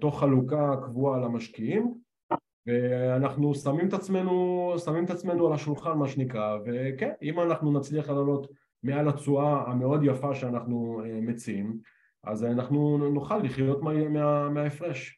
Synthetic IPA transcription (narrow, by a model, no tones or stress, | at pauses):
t̪o̞χːalukakvualamaʃkiim | ve̞anaχnusamimet̪at͡sme̞nusamimet̪at͡sme̞nualaʃulχanmaʃenikʁave̞kenimanaχnunat͡sliaχlalo̞t̪ | mealat͡suaːme̞o̞d̪jafaʃeanaχnueme̞t͡siim | ʔa̰zanaχnunuχalːiχjo̞t̪mameameaefʁeʃ